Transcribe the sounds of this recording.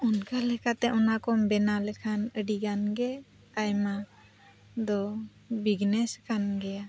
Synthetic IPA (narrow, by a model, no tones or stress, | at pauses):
unkʰalɛkat̪ɛʔɔnakɔmbɛnalɛkʰanəɖiɡanɡɛ | ajma | d̪ɔ | biɡnɛskʰanɡɛja